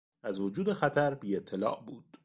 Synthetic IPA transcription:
æzvod͡ʒuːd̪e̞xæt̪ʰæɾbiːet̪ʰːe̞lɒ̰ːʔbuːd̪̥

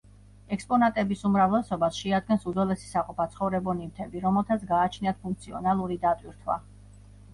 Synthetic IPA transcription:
ɛkspʼɔnat̪ʼɛbisumɾavlɛsɔbasʃɛad̪̚ɡɛnsud̪zɔlɛsi̥saqʼɔpʰat̪sʰχɔvɾɛbɔnivt̪ʰɛbiɾɔmɛlˠt̪ʰat̪sɡaːt͡ʃʰniat̪̚pʰuŋk̚t̪sʰiɔ̰nalˠuɾid̪at̪ʼwiɾt̪ʰwa̰

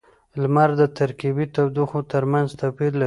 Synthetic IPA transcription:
lmaɾd̪ət̪aɾkibit̪awd̪uxot̪əɾmanzt̪apilːa

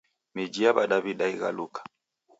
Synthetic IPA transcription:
mid͡ʒiabaɗaβiɗaiɣa̰lukḁ

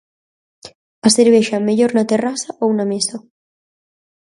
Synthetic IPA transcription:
aseɾβeʃameʎoɾnat̪erasaʔownameso

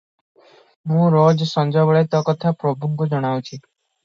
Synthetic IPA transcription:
mũɾod͡ʒsɔnd͡ʒɔbɔɭet̪ɔkɔt̪ʰapɾɔbʱuɡɡɔd͡ʒɔɽ̃awt͡ʃʰi

